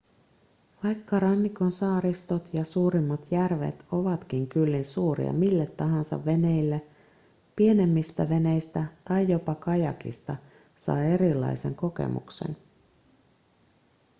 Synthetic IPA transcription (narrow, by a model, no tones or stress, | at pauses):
ʋɑjkːɑɾɑnːiko̞nsɑːɾist̪ot̪jɑsuːɾimːɑt̪jærʋḛt̪o̞ʋɑt̪k̟iŋkylːinsuːɾḭɑ̰milːet̪ːɑɦɑnsɑ̰ʋʋe̞ne̞jlːe | pie̞ne̞mːist̪æʋe̞ne̞jst̪æt̪ɑjːo̞pɑkɑjɑkḭst̪ɑ | sɑ̰je̞ɾilːɑ̰jse̞̰ŋko̞ke̞̰mṵkse̞̰n